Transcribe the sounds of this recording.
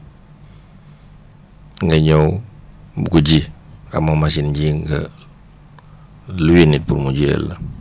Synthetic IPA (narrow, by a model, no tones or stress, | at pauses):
ŋəɲowbukud͡ʒika̰mamasind͡ʒiŋɡə | luwinit̪̚purmud͡ʒə̰l